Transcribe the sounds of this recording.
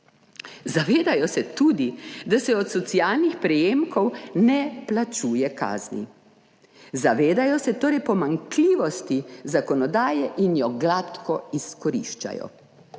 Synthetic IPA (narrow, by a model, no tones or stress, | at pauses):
zaʋeːd̪ajɔsɛt̪uːd̪id̪asɛɔt̪sɔt̪siaːlnixpɾɛjeːmkɔwnɛplat͡ʃuːjɛka̰ːznḭ | zaʋeːd̪ajɔsɛt̪oːɾɛjpɔmaŋkliːʋɔst̪izakɔnɔd̪aːjɛʔinjɔɡlat̪kɔiskɔɾḭʃt͡ʃa̰jɔ̰